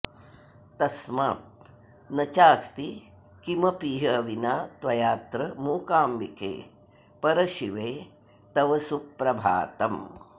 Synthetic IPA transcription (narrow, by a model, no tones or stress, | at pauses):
t̪ɐsmaːt̪̚ | nɐt͡ʃaːst̪i | kimɐpiːɦɐʋinaːt̪wɐjaːt̪ɾɐmuːkaːmʋikḛː | pɐɾɐʃiʋeː | t̪ɐʋɐsupːɾɐbʱa̰ːt̪ɐm